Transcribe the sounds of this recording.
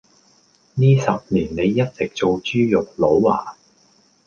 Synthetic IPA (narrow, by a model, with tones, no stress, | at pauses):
niː˥sɐ˨p̚niː˨˩nne˨˧jːɐ˥t̚t͡sɪ˨k̚t͡so˨wt͡ʃyː˥jʊ˨k̚lo˨˥wa̰ː˨˩